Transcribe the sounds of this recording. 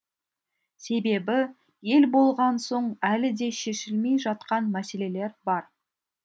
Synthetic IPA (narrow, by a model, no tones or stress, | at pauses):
se̞be̞bɪ | je̞lbo̞lˠʁɑnso̞ɴælɪd̪e̞ʃe̞ʃɪlme̞jʒɑt̪̚qɑnmæse̞le̞le̞ɾbɑɾ